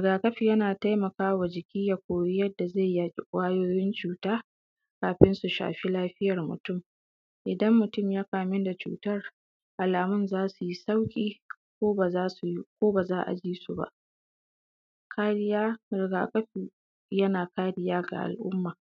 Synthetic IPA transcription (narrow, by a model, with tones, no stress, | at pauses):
ɪ˨ɡaː˨kʼɐ˦ɸiː˨jɐ˦naː˨ta˦jmɐ˨kaː˦wa˨d͡ʒɪ˨kʲiː˦ja˨kʷoː˨jɪ˦jɐ˦dːa˨za˦˨jːaː˨t͡ʃʼɪ˦kʷʼaː˦joː˦jɪ˦nt͡ʃuː˨taː˦ | kaː˨ɸɪ˦nsu˨ʃa̰ː˨ɸi˦laː˦ɸɪ˦jɐ˨rmʊ̰˨tʊ˦˨m | ʔɪ˨dɐ˦mːʊ˨tʊ˦˨mjaː˦kaː˨mɪ˦nda˨t͡ʃṵː˨tɐ˦˨r | ʔa˨laː˨mʊ˦nzaː˦su˨ji˦sa˦wkʲʼiː˦ | kʷoː˦a˨aː˦skʷoː˦ba˨zaː˦ʔa̰˨d͡ʒiː˦su˨ba̰˦˨ʔ | kʰaː˦ɽɪ˦ja˦ɾɪ˨ɡa̰ː˨kʼɐ˦ɸi˨ | jɐ˦naː˨kaː˦ɽɪ˦jaː˦ɡa̰˨ʔa̰˨lʔʊ˦mːaː˨